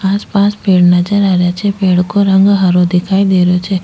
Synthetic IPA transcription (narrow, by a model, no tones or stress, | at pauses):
aːspaːspeːɽnəd͡ʒəɾaːɾjat͡ʃʰepeːɽkoɾə̃ŋɡɦaɾod̪ɪkʰaːid̪eɾjot͡ʃʰe